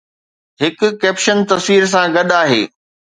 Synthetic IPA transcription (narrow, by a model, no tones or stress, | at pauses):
ɦɪkʊkɛːpʃənt̪ɐsʋiːɾs̬ãɡɐɗaːɦḛː